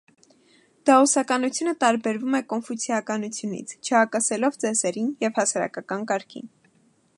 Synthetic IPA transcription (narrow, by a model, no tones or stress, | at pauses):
d̪̥ɑusɑkɑnut͡sʰjunət̪ɑɾbɛɾvumɛkɔnfusʰiɑkɑnut͡sʰjunḭt͡sʰt͡ʃʰəhɑkɑsɛlɔvt͡sɛsɛɾinjɛvhɑsɑɾɑ̰kɑkɑnkɑɾkʰḭn